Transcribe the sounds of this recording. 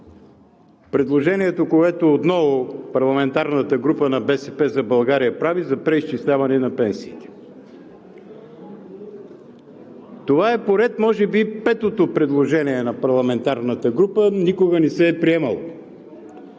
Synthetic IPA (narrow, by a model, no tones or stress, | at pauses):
pɾɛd̪lˠoʒɛniɛt̪okoɛt̪oːt̪nɔvopɐɾlˠɐmɛnt̪aɾnət̪əɡɾupənɐbɛsɛpɛzɐbɐlˠɡaɾijɐpɾavizɐpɾɛiʃt͡ʃislʲavɐnɛnɐpɛnsiːt̪ɛ̥ | t̪ovaɛpoɾɛt̪mɔʒɛbipɛt̪ot̪opɾɛd̪lˠoʒɛniɛnɐpɐɾlˠɐmɛnt̪aɾnət̪əɡɾupənikoɡənɛsɛːpɾiɛməlˠo